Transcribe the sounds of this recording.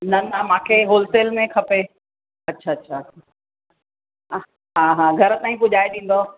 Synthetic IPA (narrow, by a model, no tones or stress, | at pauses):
nɐnamãːkʰeɦoːlseːlmẽkʰɐpe | ɐtːɕʰaːɐtːɕʰaa | ɦaɦãːɡʱɐɾət̪ãːĩpʊʄaːeɗĩːn̆d̪o